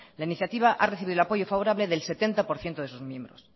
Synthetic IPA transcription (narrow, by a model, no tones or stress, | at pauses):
lainiθjat̪iβ̞aʔa̰reθiβiðlapo̞ʝo̞faβo̞ɾaβle̞ðe̞lse̞t̪e̞nt̪apo̞ɾθje̞nt̪oðe̞suzmjẽ̞mbɾo̞̰s